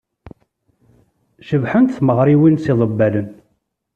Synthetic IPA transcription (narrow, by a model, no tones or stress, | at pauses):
ʃəvħənt̪θməʁɾiwinsiðˤəbːælən